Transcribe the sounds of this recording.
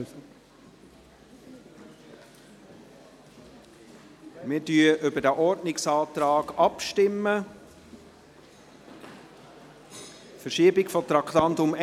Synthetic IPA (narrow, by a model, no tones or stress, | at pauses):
mɪɾdyːəʔʏbədæʔɔɾdnɪksɑːt̪ɾɑːɡɑpʃtɪmːə | fəɾʃiːbɪkfɔt̪ɾɑktɑntʊm